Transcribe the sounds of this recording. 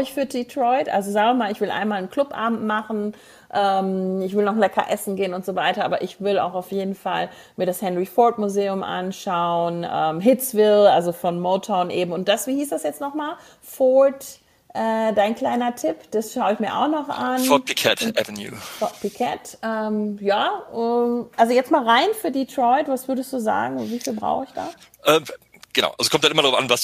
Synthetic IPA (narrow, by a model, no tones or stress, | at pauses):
ɪçfyːɐditʁɔʏtʔa̰lzozaːɡŋɐmaːlɪçv̥ɪlʔa̰ɪnmaːlənkl̥ʊpʔa̰ːbm̩tmaχn̩ | ʔɛːmɪçv̥ɪlnɔχlɛkʰɐ̰ʔɛsn̩ɡeːənʊntz̥ovaɪtɐʔaːbɐ̰ʔɪçv̥ɪla̰ʊxaʊfjeːdn̩fal | miːɐɾashɛnʁifɔɹtmuzeːʊmʔa̰nʃaʊnʔɛ̰ːmɦɪtt͡sv̥ɪlalzofɔnmoʊtʰɔʊnʔḛːbm̩ʊnt̚d̥asv̥iːhiːsd̥asjɛt͡stnɔχmaːl | fɔt | ʔɛːdaɪnkl̥aɪnɐtʰɪpd̥asʃaʊɪçmiːɐʔa̰ʊxnɔχʔanfɔt̚pʰikʰɛtʔɛ̰vɛnjṵːfɔt̚pʰikʰɛ̰tʔɛːmjaːʔɛʔalzojɛt͡stmaːlʁaɪnfyːɐditʁ̥ɔʏtv̥asv̥ʏɐdəstd̥uːza̰ːɡŋ̩viːfiːlbʁa̰ʊxɪçd̥a̰ː | ʔɛːm | ɡ̥əna̰ʊʔalzo̥kɔmtaʔɪmɐdʁaʊfʔanvas